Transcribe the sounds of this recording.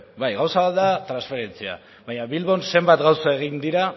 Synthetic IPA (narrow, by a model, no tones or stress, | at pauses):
bajɣawsaβaðat̪ɾansfe̞ɾe̞nt͡sia̰ | βaɲaβilβo̞nse̞mbat̪ɡawsae̞ɣ̞ind̪iɾa